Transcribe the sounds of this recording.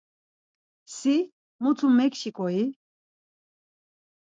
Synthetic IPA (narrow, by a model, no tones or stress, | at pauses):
si | mut̪ʰumːɛkʃikʼɔi